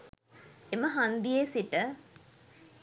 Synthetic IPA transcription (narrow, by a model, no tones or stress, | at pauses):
eməɦand̪ijesiʈə